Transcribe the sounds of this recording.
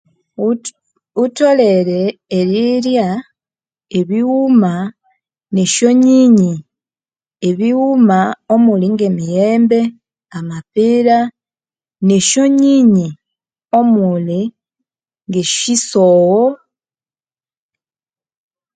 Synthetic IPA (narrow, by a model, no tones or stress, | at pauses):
uto̞le̞ɾeːɾiɾja | eβiwuma | ne̞ʃo̞ɲiɲi | eβiwumao̞muliŋɡe̞mijeːmbe̞ | amapiɾa | ne̞ʃo̞ɲiɲi | o̞muli | ŋɡeʃisowo